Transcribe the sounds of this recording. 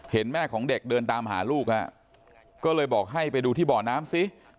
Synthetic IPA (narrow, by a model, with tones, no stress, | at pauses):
he˩˦nmɛː˥˩kʰɔː˩˦ŋde˨˩k̚dɤː˧nt̪aː˧m˧ɦa̰ː˩˦luː˥˩k̚la̰˧˩ | kɔː˥˩lɤː˧jbɔː˨˩k̚ɦa˥˩jpa˧jduː˧t̪ʰiː˥˩bɔː˨˩naː˦˥msi˦˥